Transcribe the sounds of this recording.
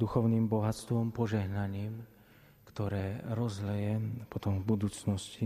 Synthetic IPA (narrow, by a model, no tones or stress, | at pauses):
d̪uxɔʊniːmbɔɦast̪ʋɔmpɔʒɛɦnaɲiːm | kt̪ɔɾɛːɾɔzlɛjɛpɔt̪ɔmvbud̪uːt͡snɔsci